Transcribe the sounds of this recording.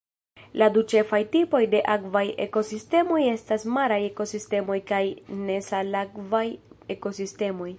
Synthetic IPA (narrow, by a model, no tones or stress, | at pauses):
ladut͡ʃe̞fajtipo̞jde̞ʔakvaje̞̰ko̞siste̞mo̞je̞stasmaɾaje̞ko̞siste̞mo̞jkajne̞salakvaje̞ko̞siste̞mo̞j